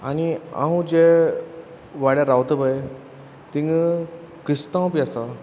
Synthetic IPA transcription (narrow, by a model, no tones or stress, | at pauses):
ania̰ɦũd͡ʑe | ʋaɽjaɾawt̪əbəe | t̪ĩŋɡ | kist̪ãwpiasa